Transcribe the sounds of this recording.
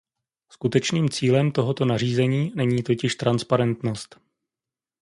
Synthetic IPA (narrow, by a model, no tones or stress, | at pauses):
skut̪ɛt͡ʃniːmt͡siːlɛmt̪oɦo̞t̪o̞nar̝iːzɛɲiːnɛɲiːt̪o̞cɪʃt̪ɾanspaɾɛnt̪no̞st̪